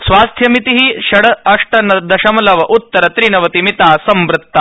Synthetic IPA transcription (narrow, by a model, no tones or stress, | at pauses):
sʋaːst̪ʰjɐmit̪iɦiʃɐɽɐɐʂʈɐnɐd̪ɐʃɐmɐlɐʋɐʔut̪ːɐɾɐt̪ɾinɐʋɐt̪imit̪aːsɐmbɾɪt̪ːa